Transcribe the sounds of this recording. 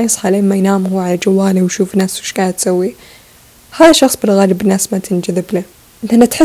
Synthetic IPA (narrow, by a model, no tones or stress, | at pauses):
ajɑsˤħaleːmmajnaːmhuːʕalad͡ʒawːaːliwjʃuːfnaswʃkaːnt̪sawːi | haːðaʃːɑxsˤbɪlɣaːlɪbɪnːaːsmat̪ʰɪnd͡ʒaðɪbli | ʔɪnt̪ʔanat̪ħɪ